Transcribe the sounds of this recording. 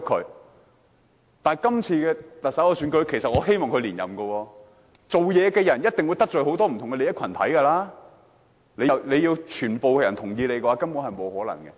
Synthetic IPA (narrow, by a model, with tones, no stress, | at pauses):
kʰɵ˨˧˥ | t̪aː˨˩nkɐ˥mt͡sʰiː˧kɛː˧t̪ɐ˨k̚sɐ˨˥wɔː˧syː˨˥nkɵ˧ɥkʰe˨˩jsɐ˨t̚ʔɔː˨˧ɦe˥jmɔː˨ŋkʰɵ˧ɥliː˨˩njɐ˨˩mɡə˧wɔː˧ | t͡so˨wjɛː˨˧kɛː˧jɐ˨˩njɐ˥t̚t̪ɪ˨ŋwu˨˧jt̪ɐ˥k̚t͡ʃɵ˨˩ho˨˥wt̪ɔː˥m̩ʰ˨˩ʊ˨˩ŋkɛ˧le˨˧jɐ˥kʰɐ˨˩nt̪ʰɐ̰˨˥jkɐ˧laː˥ | le˨˧˨le˨˧jiː˧wt͡ʃʰyː˨˩npo˨wkɛː˧jɐ˨˩nt̪ʰʊ˨˩ŋjiː˧le˨˧jkɛ˧waː˧˥kɐ˥npuː˨˥nhɐ˨jmo˨˧whɔː˨˥lɐ̰˨˩ŋkɛ˧